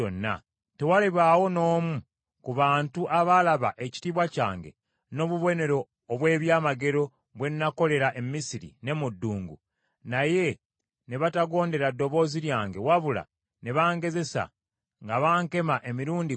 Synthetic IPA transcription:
onːa̰ | tewaleβaːwo̞no̞ːmu | kuβaːntuʔaβalaβa̰ʔe̞ci̥tiβwaca̰ːŋɡe̞̰ | noːβuβo̞ne̞ɾo̞ː | βwe̞ːβjaːmaɡe̞ɾo̞ | βwe̞nnako̞le̞ɾaʔemmisiɾḭne̞mudːuːŋɡṵ | naje̞ | neβataɡo̞ːnde̞ɾadːo̞βo̞ːziɾjaːŋɡe̞waβula̰ | neβaːŋɡe̞ze̞sa̰ | ŋɡaβaːŋke̞maʔe̞miɾuːndi

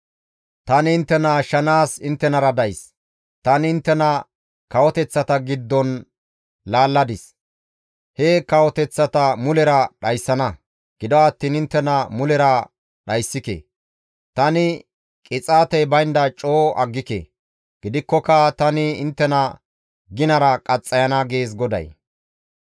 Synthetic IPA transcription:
t̪ɐnɪɪnt̪ːɛnɐʃɐnaːsɪnt̪ːɛnɐɾɐd̪ɐjs | t̪ɐnɪɪnt̪ːɛnɐ | kɐwɔt̪ɛt͡sːɐt̪ɐɡɪd̪ːɔn | laːlːɐd̪ɪs | hɛkɐwɔt̪ɛt͡sːɐt̪ɐmʊlɛɾɐɗɐjsːɐnɐ | ɡ̥ɪd̪ɔɐt̪ːiːnɪnt̪ːɛnɐmʊlɛɾɐ | ɗɐjsːɪkḛ | t̪ɐnɪ | kʼɪt͡sʼaːt̪ɛjbɐjnd̪ɐt͡ʃʼoːʔɐɡːɪkḛː | ɡ̥ɪd̪ɪkːɔkɐt̪ɐnɪɪnt̪ːɛnɐ | ɡɪnɐɾɐkʼɐt͡sʼːɐjɐnɐɡe̞ːs̬ɡɔd̪ɐ̰j

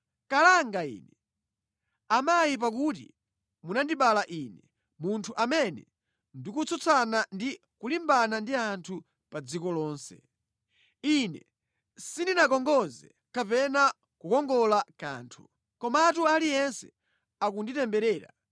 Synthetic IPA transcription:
kalaŋɡaḭːnɛ | amajip̬ak̬ut̬ḭ | munandiɓalaʔinɛ | muntʰuʔamɛnɛ̰ | ndikut͡sɔt͡sʰanandi | kulimbanandiantʰu | pad͡zikɔlɔːnsɛ̰ | inɛ̰ | sindinakɔŋɡɔzɛ | kapɛna | kukɔŋɡɔlaka̰ːntʰu | kɔmatualijɛnsɛ̰ | akunditɛmbɛɾɛːɾa̰

